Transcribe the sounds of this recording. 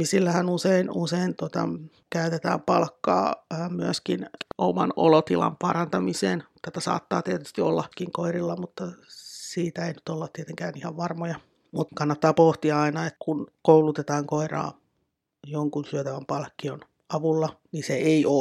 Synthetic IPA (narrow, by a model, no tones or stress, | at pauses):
isilːæhænuseinuseint̪uot̪ɑ̰ | kæyt̪et̪æ̰ːmpɑlkːɑ̰ːmyæskino̰mɑ̰no̰lot̪ilɑ̰mpɑrɑnt̪ɑmisḛːnt̪æt̪æsɑ̰ːt̪ːɑ̰ːt̪iet̪y̥st̪iolːɑkːiŋkoirilːɑmut̪ːɑsiːt̪æeiny̥t̪olːɑt̪t̪iet̪eŋkæːnihɑʋʋɑrmojɑ | mut̪kɑnːɑt̪ːɑːpoht̪iɑɑinɑet̪kunkoulut̪et̪ɑːŋkoirɑ̰ː | joŋkunsyøt̪æʋæmpɑlkːion | ɑʋulːɑniseeiʔoː